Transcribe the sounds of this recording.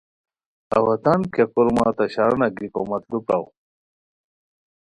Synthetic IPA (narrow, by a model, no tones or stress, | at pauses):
ɐ̰wɐt̪ankekuɾmaːt̪ɐɕaɾnɐɡikomɐt̪lupa̰w